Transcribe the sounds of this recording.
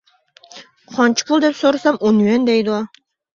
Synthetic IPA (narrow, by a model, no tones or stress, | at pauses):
qʰɒnt͡ʃʰɪ̥kʰʊlˠd̪epsoɾasamonɛnd̪æjd̪ʊɑ